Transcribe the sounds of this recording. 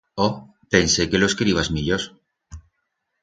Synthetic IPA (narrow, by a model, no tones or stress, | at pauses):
o | pensekeloskɾiβazmiʎos